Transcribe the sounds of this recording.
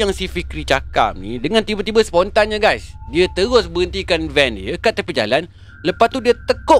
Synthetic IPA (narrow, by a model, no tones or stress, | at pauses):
aŋsifikɾit͡ʃaka̰p̚nḭdəŋãnt̪ibət̪ibəspɔnt̪anɲaɡajsdiət̪əɾʊsbəɣənt̪ikanvɛndiəkat̪əpəd͡ʒa̰lan | ləpast̪udiət̪əko